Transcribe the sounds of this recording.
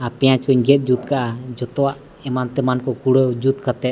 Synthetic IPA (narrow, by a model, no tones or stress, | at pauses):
apɛjãt͡ʃkɔɲɡɛt̪̚ˀd͡ʒut̪̚kaʔad͡ʒɔt̪ɔwaʔ | ɛmant̪ɛmankɔkuɽəd͡ʒut̪kat̪ɛt̪̚